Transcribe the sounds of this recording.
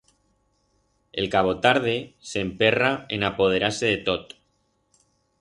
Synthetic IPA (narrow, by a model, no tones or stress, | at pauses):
ḛlkaβ̞o̞t̪aɾðese̞mpe̞raḛnapo̞ð̞e̞ɾaɾse̞ð̞e̞t̪ot̪